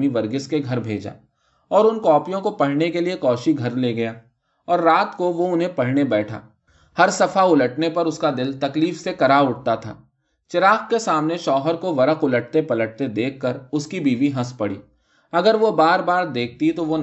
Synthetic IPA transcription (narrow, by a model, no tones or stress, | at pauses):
miʋɐɾɡɪskeɡʱɐɾbʱeːd͡ʒa̰ː | ɔːɾʊnkɔːpijõkopɐɽ̤nekeliekɔːʃiɡʱɐɾleːɡɐjaː | ɔːɾːaːt̪koʋoʊnɦẽpɐɽ̤nebɛːʈʰa̰ː | hɐɾsɐfaʊləʈnepɐɾʊskad̪ɪlt̪ɐkliːfsekɐɾaːʊʈ̚t̪at̪ʰa̰ː | t͡ʃɪɾaːkkesaːmneʃɔːɦəɾkoʋɐɾəkʊləʈ̚t̪epɐləʈ̚t̪ed̪eːkʰːɐɾʊskibʱiːʋiɦɐspɐɽḭː | ɐɡəɾʋobaːɾbaːɾd̪eːk̚ʰt̪it̪oʋo